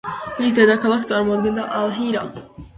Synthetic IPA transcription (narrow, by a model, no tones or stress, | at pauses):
misd̪ɛd̪akʰalˠakʰt̪sʼaɾmɔad̪ɡɛnd̪aʔalˠɦiɾa